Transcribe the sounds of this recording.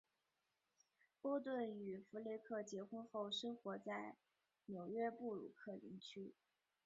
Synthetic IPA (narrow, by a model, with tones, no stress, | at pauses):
pɔ˥ʊt̪wə˥˩ny˨˩fu˧˥le˥˧ɪkʰɤ˥˩t͡ɕjɛ˧˥xə˥xo˥˩ʊʂɤ˥ŋxwɔ˧˥t͡sa˥˩ɪ | njo˨˩ʊɥɛ˥pu˥˩ɻṵ˨˩kʰɤ˥˧lḭ˧˥ŋt͡ɕʰy˥